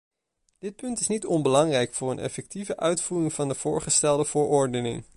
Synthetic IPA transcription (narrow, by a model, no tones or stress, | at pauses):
d̥ɪt̚pɵntɪsnitɔnbəlɑŋrɛjkfʊːɹənʔɛ̰fɛk̚tivəʔœɥtfuːrɪŋv̥ɑndəv̥ʊːɹχəstɛlˠdəv̥ʊːɹɔɹdənɪ̰ŋ